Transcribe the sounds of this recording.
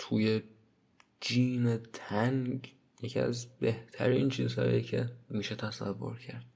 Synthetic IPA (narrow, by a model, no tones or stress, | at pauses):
t̪ʰuːje̞ | d͡ʒiːnet̪ʰæŋɡ | jecʰiæ̰zbeht̪ʰæ̰ɾiːnt͡ʃʰiːzhɒ̰ːjicʰe̞miːʃet̪ʰæsævːo̞̰ɾcʰæɾd̪